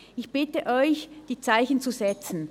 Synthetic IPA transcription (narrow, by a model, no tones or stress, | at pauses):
ʔɪçb̥ɪtəʔɔʏçd̥iːt͡saɪçn̩t͡suzɛt͡sn̩